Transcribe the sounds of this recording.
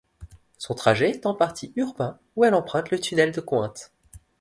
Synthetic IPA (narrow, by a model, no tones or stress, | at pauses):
sɔ̃t̪χaʒeːt̪ɑ̃paʁt̪ʰiyʁbɛ̃ | uɛlɑ̃pχɛ̃t̪lət̪ynɛld̪əkwɛ̃t̪